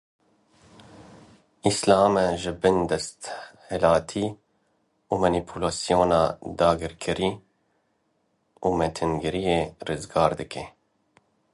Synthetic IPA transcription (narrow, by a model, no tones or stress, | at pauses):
islɑːmɛʒɪbɨnd̪ɛst̪hɛlɑːt̪ʰiː | umɑnipʰulɑːsijoːnɑ̰ːd̪ɑːɡɨɾkʰɨɾiː | uːmɛt̪ʰɨnɡɨɾijeːrɨzɡɑːɾd̪ɨkʰɛ